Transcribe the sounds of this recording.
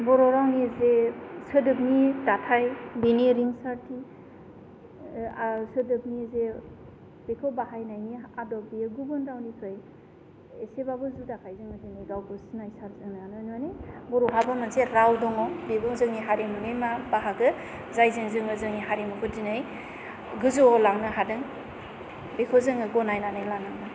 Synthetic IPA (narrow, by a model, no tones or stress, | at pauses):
bɔɾɔɾawnizesɯdɯp̚nidatʰajbiniɾiŋsaɾtʰi | asɯdɯb̚nize | b̥ekʰɔbaɦajnajniadɔbijɯɡubɯnɾawnikʰɯj | esebabɯzudakʰajzɯŋɯzenijɡawbɯsnajsaɾzɯŋnanɯnanejbɔɾuɦabɯmanseɾawdɔŋɔbebɔŋzɯŋniɦaɾemɯnɯjmabaɦaɡɯ | zajzɯŋzɯŋɯzɯŋniɦaɾimɯkʰɯdinɯj | ɡɯzoɔlaŋnɯɦadɯŋ | bekʰɯzɯŋɯɡɔnajnanɯjlanaŋna